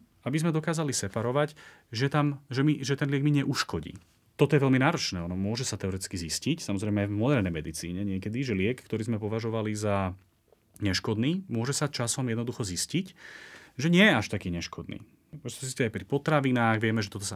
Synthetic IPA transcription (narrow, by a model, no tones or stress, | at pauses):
abizmɛd̪ɔkaːzalisɛpaɾɔʋac | ʒɛt̪amʒɛmiʒɛt̪ɛnlɪɛɡmiɲɛʔuʃkɔɟḭː | t̪ɔt̪ɔjɛʋɛlminaːɾɔt͡ʃnɛːɔnɔmʊɔʒɛsat̪ɛɔɾɛt̪it͡skiziscicsamɔzɾɛɪjmɛajvmɔd̪ɛɾnɛjmɛd̪it͡sḭːɲɛɲɪɛkɛd̪iʒɛlɪɛkkt̪ɔɾiːzmɛpɔʋaʒɔʋaliza | ɲɛʃkɔd̪niːmʊɔʒɛsat͡ʃasɔmjɛd̪nɔd̪uxɔziscicʒɛɲɪɛjɛaʃt̪akiːɲɛʃkʰɔd̪nḭː | mʊɔʒɛsazisciajpɾipɔt̪ɾaʋinaːɣʋɪɛmɛʒɛt̪ɔt̪ɔsa